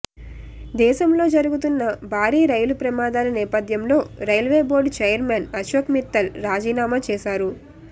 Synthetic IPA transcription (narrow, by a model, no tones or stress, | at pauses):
d̪ɛːʃɐmlo̞ːd͡ʒɐɾuɡut̪unːɐbʱaːɾiːɾɐjulupɾɐmaːd̪aːlɐnɛːpɐd̪ʱjɐmlo̞ːɾɐjlʋeːbo̞ːɾɖt͡ʃɐjɐɾmenɐʃoːkmit̪ːɐlɾaːd͡ʒiːnaːmat͡ʃɛːʃaːɾu